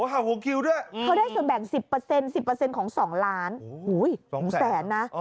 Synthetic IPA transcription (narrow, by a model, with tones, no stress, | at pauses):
o˨˦ɦa˨˧˩wo˧˦kʰi˧wdu˥˩əjkʰa˦˥wda˥˩jsu˨˩ənbɛː˨˩ŋsi˨˩pːɤː˧se˧nsi˨˩pːɤː˧se˧nkʰɔː˩˦ŋsɔː˩˦ŋlaː˦˥nhuː˩˦˥jsɔ˩˦˩ŋːsɛː˦˩˦nːa˦˥˧